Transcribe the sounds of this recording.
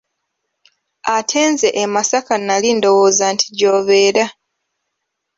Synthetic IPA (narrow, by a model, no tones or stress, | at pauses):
atʰe̞ːnze̞ʔemasakanalindo̞woːzantʰi̥ɟoːβe̞ːɾa